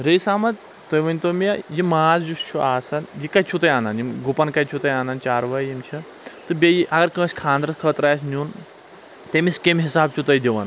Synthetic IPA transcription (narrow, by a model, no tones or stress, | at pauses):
ɾɐjsaːmɐt̪ | t̪ɐjʋɐnʲt̪omijajimaːzd͡ʒust͡ʃʰuaːsɐnjikɐt͡ʃʰut̪ɐjaːnɐnjimɡupɐnkɐjt͡ʃʰut̪ɐjaːnɐnt͡ʃaːɾʋɐjjimt͡ʃʰi | t̪ɨbʲejiʔɐɡɐɾkə̃ːsʲkʰãːnd̪ɾɐskʰɐːt̪ɾaːsnuːn | t̪emiskʲemɦisaːb̚t͡ʃʰut̪ɐjd̪ʲiʋɐ̰n